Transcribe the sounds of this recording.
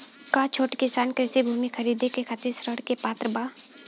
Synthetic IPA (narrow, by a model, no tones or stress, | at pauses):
kaːt͡ʃʰoːʈkɪsaːnkɾɪsibʱuːmixʰɐɾiːd̪ʱekekʰaːt̪ɪɾsɾəɽkepaːt̪ɾəbaː